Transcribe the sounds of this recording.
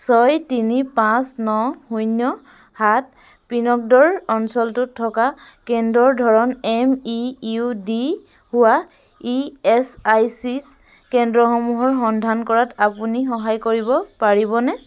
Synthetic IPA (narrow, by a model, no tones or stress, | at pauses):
sɔjtinipãsnɔhujnjɔ | hat̚ | pinɔk̚dɔɹɔnsɔltʊtʰːɔka | kɛndɹɔɹdʱɔɹɔnɛmiudi | hʊwa | iɛsajsis | kɛndɹɔxɔmuɦɔɹxɔndʱankɔɹatapunixɔɦajkoɹibɔpaɹibɔnɛ